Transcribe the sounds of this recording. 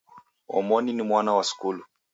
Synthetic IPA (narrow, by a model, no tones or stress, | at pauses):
ɔ̰mɔninimwanawasi̥kulu